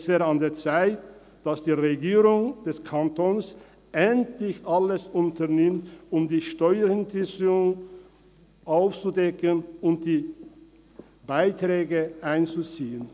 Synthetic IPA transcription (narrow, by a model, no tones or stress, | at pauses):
sv̥ɛːɾandeːɐt͡saɪt | d̥asd̥iːʁeɡiːʁʊŋd̥ɛskʰantʰons | ʔɛntlɪçʔaləsʊntɐnɪmtʊmdiːʃtɔʏəɾɪntɪsʊŋ | ʔaʊft͡sudɛkənʊnt̚d̥iː | baɪtʁ̥ɛːɡəʔaɪnt͡sut͡siːən